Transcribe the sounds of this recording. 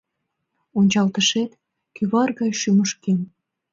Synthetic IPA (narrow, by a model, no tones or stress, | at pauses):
onʲt͡ɕɑlt̪əʃet̪ | kyβɑrɣɑjʃyməʃken